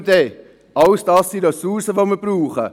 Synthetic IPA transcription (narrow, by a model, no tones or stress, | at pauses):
dɛ | ʔɑlsd̥ɑsːidɑsusəvoməɾb̥ruːχə